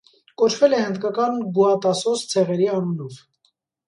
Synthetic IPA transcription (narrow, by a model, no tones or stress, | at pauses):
kɔt͡ʃʰvɛlɛhənd̪kɑkɑnɡuɑt̪ɑsɔst͡sʰɛʁɛɾiɑnunɔv